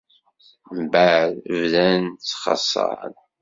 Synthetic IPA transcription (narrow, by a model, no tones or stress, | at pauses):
mbæɾvðænt͡sːχɑ̰sˤːɑ̰ɾ̰n